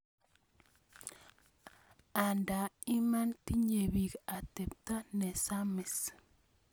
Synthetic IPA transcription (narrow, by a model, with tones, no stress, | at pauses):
a˨nda˨i˦ma˦nt̪i˦ɲe˨βi˨ka˨t̪e˨p̚t̪a˦ne˨sa˦me˨s